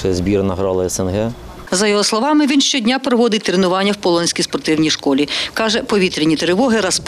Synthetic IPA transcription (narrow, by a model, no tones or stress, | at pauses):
zbʲiɾnɐɦɾɑlˠɐɛsɛnɦɛ | zɐjɔɦɔslˠɔʋɑmɪʋʲinʃt͡ʃɔdʲnʲapɾɔʋɔd̪ɪtʲt̪ɾenʊʋɑnʲːɐwpɔlˠɔnʲsʲkʲijspɔrt̪ɪwnʲijʃkɔlʲikɑʒɛpɔʋʲit̪ɾʲinʲit̪ɾɪʋɔɦɪɾɐsp